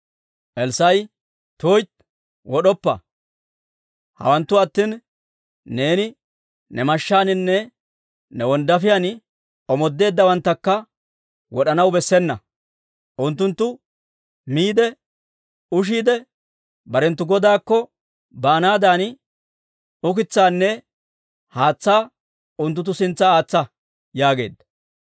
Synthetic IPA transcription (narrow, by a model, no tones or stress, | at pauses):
ʔɛlsɐj | t̪oːjt̪ | wɔɗɔpːɐ̰ | hɐ̰wɐnt̪ːʊɐt̪ːiːnː | e̞ːnɪ | nɛmɐʃːaːnɪnːɛ | nɛwɔnd̪ɐfɪjan | ɔmɔd̪ːe̞ːd̪ːɐwɐnt̪ːɐkːɐ | wɔɗɐnɐwbɛsːɛnːɐ | ʔʊnt̪ːʊnt̪ːʊ | miːd̪ɛ | ʊʃ̬iːd̪ɛ | bɐɾɛnt̪ːʊɡɔd̪aːkːɔ | baːnaːd̪aːn | ʊkɪt͡sːaːnːɛ | haːt͡sːaː | ʊnt̪̬ːʊt̪̬ːʊsɪnt͡sːɐaːt͡sːɐ | jaːɡe̞̰ːd̪ːɐ̥